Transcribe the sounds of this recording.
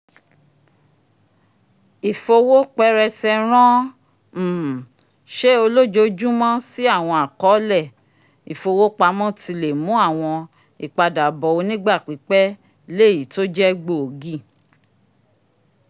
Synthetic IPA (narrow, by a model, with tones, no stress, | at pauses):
i˨fo˧wo˦k͡pɛ˦ɾɛ˧sɛ˧ɾ̃ã˦˨ | ʃe˦o˧lo˦d͡ʒo˧d͡ʒu˦mɔ̃˦si˦a˦˨w̃ɔ̃˧a˨kɔ˨˦lɛ˦˨ | i˨fo˧wo˦k͡pa˦mɔ̃˦ti˧le˨mũ˨˦a˦˨w̃ɔ̃˧ | i˨k͡pa˧da˨bɔ˨o˧nĩ˦ɡ͡ba˦˨k͡pi˨˦k͡pɛ˦ | le˦˨ji˨to˦d͡ʒɛ˦ɡ͡bo˦˨o˨ɡĩ˦˨